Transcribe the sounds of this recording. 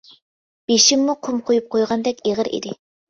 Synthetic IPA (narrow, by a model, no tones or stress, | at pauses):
b̥eʃimːuqʰʊmqʰojup̚qʰojʁɑnd̪ɛkʲeʁəɾḭd̪ɪ